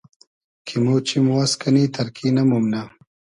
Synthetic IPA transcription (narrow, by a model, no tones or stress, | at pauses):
kʰimot͡ʃimwɐskɐnit̪ʰɐɾkʰinɐmumna